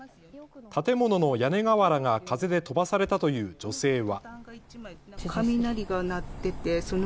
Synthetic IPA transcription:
t̪at̪e̞mo̞no̞no̞jane̞ɡaβaɾaɡakaze̞d̪e̞t̪o̞basaɾe̞t̪at̪o̞jɯ̟ːd͡ʑo̞se̞ːβa | kʰamʲinaɾʲiɡanat̪ːe̞t̪e̞so̞n

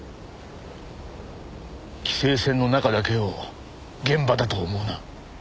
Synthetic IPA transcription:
kʲi̥se̞ːsẽ̞nːo̞nakad̪ake̞o | ɡẽ̞mbad̪at̪o̞ːmo̞ːna

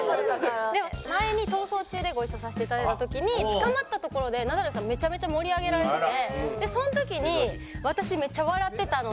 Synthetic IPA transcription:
soed̪emmaeɲ̟it̪o̞ːso̞ːt͡ɕɨːd̪e̞ɡo̞iɕosaɕe̥t̪eit̪ad̪aet̪at̪okʲiɲ̟it͡sɨ̥kamat̪ːat̪o̞ko̞ɾo̞d̪e̞nad̪aɾɯsãme̞t͡ɕame̞t͡ɕamo̞ɾʲiaɡe̞ɾaɾe̞t̪et̪eed̪e̞sõ̞not̪o̞kʲiɲ̟i | βat̪aɕime̞t͡ɕaβaɾat̪ːe̞t̪ano

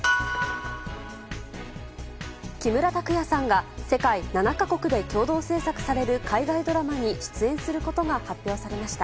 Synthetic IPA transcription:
kʲimɯ̟ɾat̪akɯ̟jasãŋɡase̞kainanakako̞kɯ̟d̪e̞kʲo̞ːd̪o̞ːse̞ːsakɯ̟̥saɾe̞ɾɯ̟kʰaiɡaid̪o̞ɾamaɲ̟iɕi̥t͡sɨẽ̞ɰ̃sɨɾɯ̟ko̞t̪o̞ɡahapʲjo̞ːsaɾe̞maɕi̥t̪a

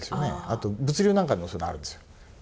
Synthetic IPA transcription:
esɨjonḛat̪o̞bɯ̟t͡sɨɾʲoːnãŋkanːosonaɾɯ̟nd̪esɨ̥jo

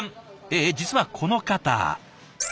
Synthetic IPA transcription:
eːd͡ʑit͡sɨβakʰo̞no̞kat̪a̰

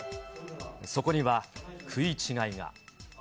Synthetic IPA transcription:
so̞ko̞ɲiβakʰɯ̟it͡ɕiŋaiŋa̰

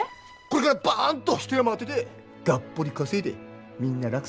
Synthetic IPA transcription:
koɾe̞kaɾabant̪ːosi̥t̪ojamaat̪ːet̪e̞ | ɡ̥apːo̞ɾʲikaset̪e̞̰ | mʲĩnːaɾak

